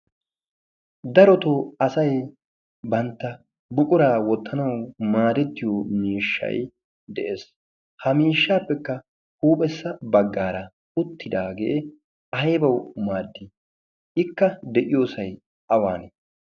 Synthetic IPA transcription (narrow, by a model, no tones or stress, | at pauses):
d̪ɐɾɔt̪oɐsɐj | bɐnt̪ːɐ | bʊkʼʊɾaːwɔt̪ːɐnɐwmaːd̪ɛt̪ːɪjoːmiːʃːɐ̰j | d̪ɛʔe̞ːs | hɐmiːʃːaːpːɛkːɐ | huːpʼɛsːɐbɐɡːaːɾɐ | ʊt̪ʰːɪd̪aːɡḛʔ | ɐjbɐwmaːd̪ːɪ | ɪkːɐd̪ɛʔɪjo̞ːsɐj | ʔɐwaːnɛ